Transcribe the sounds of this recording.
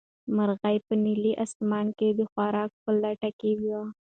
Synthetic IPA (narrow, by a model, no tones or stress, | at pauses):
maɾɣajpəniliʔast̪mɑnked̪əxwaɾɑk̚pəlaʈakewjwa